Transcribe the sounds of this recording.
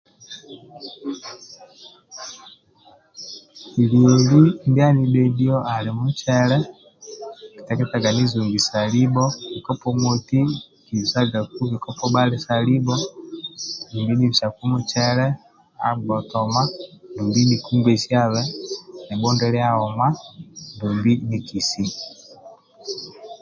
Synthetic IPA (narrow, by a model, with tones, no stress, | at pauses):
i˨lio˨li˦ndi˦a˦ni˦be˦diɔ˦a˨lemu˦t͡ʃɛɾɛ˦ | ki̥˨tɛkɛ˦ta˨ɡa˨ni˦zu˨ŋɡi˨sa˨libɔ˦βikɔpɔ˦mwoti˦ | ki˨sa˦ɡa˨ku˦βikɔpɔbalesa˨li˦bɔ˦ | di˨mbi˦ni˦βi˨ʃa˨ku˦mu˦t͡ʃɛ˦ɾɛ˦ | a̰˨bɔ˨tɔ˨ma˦du˨mbi˦ni˨ku˦ŋɡe˨ʃia˦βɛ˦nɛ˨bɔ˦ndɛ˦ɾja˦ɔ˨ma˦dumbi˦ni˨ki˨si˦